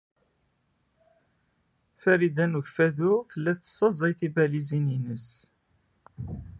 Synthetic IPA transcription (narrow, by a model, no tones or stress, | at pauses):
fæɾid̪ænuçfæðʊθəlːæθsˤːɑzˤɑjθibælizininəs